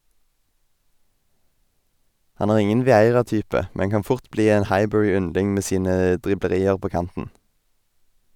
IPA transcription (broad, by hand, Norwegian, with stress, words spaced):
ˈhɑn ˈæːʁ ˈɪŋən ʋɪˈæɪʁɑˌtyːpə ˈmɛn ˈkɑn ˈfʊʁt ˈbliː ˈeːn ˈhɑɪˌbœʁɪˌʏnlɪŋ ˈmeː ˈsiːnə ˈdʁɪbləˌʁiːəʁ ˈpoː ˈkɑntn̩